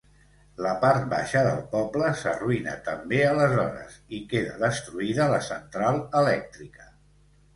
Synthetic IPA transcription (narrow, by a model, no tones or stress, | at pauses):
ləpaɾt̪̚ba̰ʃəðə̰lˠpɔbləsəruinə̰t̪əmbeələzɔɾə̰zikeðəðəst̪ɾuiðələsənt̪ɾalˠəlɛk̚t̪ɾikə̥